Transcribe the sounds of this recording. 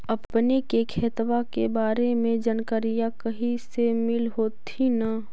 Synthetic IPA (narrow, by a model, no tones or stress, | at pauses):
ɐpnikekʰeːt̪ʋakebaːɾemẽd͡ʒənkəɾijakɐɦisemɪlɦoːt̪ʰina